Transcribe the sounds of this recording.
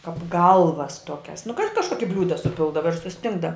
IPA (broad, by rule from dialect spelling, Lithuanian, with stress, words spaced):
kɐp ˈɡɐlˠʋɐs ˈtuɔkʲɛs nʊ kɐ kɐʃˈkoːkʲɪ ˈbʲlʲuːdɐ sʊˈpʲɪlˠdɐʋɐ ɪr sʊˈsʲtʲɪŋɡdɐ